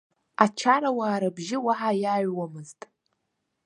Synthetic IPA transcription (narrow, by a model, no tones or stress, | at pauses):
at͡ʃʰaɾawaːɾabʒɪwaħajaɥwamɨztʼ